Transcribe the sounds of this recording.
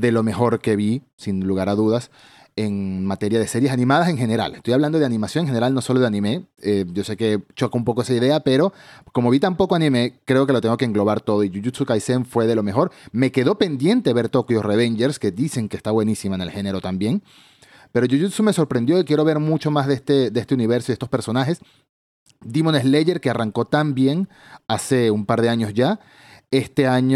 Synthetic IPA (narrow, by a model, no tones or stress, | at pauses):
d̪e̞lo̞me̞xo̞ɾke̞βi | sinluɣ̞aɾaðuðas | eŋmat̪e̞ɾjaðe̞se̞ɾje̞sanĩmaðase̞ŋxe̞ne̞ɾa̰lest̪ojaβland̪oðanĩmasjo̞neŋxene̞ɾalno̞so̞lo̞ðe̞anĩmeeɟ͡ʝo̞se̞ke̞t͡ʃokoumpo̞koe̞saiðe̞ape̞ɾo̞komo̞βit̪ampo̞koanĩme̞kɾeo̞ke̞lot̪eŋɡo̞keːŋɡlo̞β̞aɾt̪o̞ð̞oiʝuʝut̪sukajseɱfwe̞ðe̞lo̞me̞xo̞ɾme̞ke̞ðo̞pe̞nd̪je̞nt̪eβe̞ɾt̪okioreβ̞end͡ʒeɾske̞d̪ise̞ŋkeːst̪aβwe̞nisimaenelxe̞ne̞ɾo̞t̪ambje̞ŋ | pe̞ɾoʝuʝut̪sume̞so̞ɾpɾe̞nd̪jo̞ikjeɾo̞βe̞ɾmut͡ʃo̞mazðeest̪ed̪eest̪euniβe̞ɾsoiðest̪o̞spe̞ɾso̞naxe̞s | d̪imonezleʝe̞ɾkearaŋko̞t̪ambje̞ŋ | ase̞umpaɾðe̞aɲo̞zʝa | e̞st̪e̞aɲ